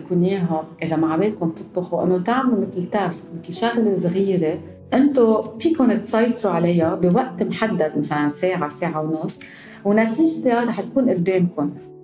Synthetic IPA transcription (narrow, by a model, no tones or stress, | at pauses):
kʊnjeːɦaʔɪzamaʕabeːd̪kʊm̚t̪ɨt̪̚ˤbaxuʔɪ̰nːot̪aʕmlmɪt̪lt̪askmɪt̪lʃaɣlesɣiːɾe | ʔɪnt̪ofiːkʊnt̪sˤɑjt̪ˤɾuʕalajːabiwaʔt̪mħad̪ːad̪masalanseːʕaseːʕawnʊsˤː | wnat̪iːʒt̪aɾˤɑːħt̪kuːnʔɪlbeːnkʊn